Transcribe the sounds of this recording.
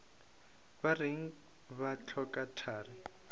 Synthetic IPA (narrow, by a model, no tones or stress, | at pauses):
barɪŋ̩ | βat͡ɬʰɔkatʰaːrɪ